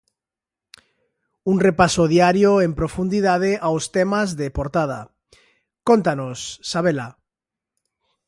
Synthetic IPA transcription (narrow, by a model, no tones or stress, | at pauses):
unrepasoð̞iaɾjoempɾofund̪iðað̞eʔawst̪emazðepoɾt̪að̞a̰ | kont̪anosːaβ̞ela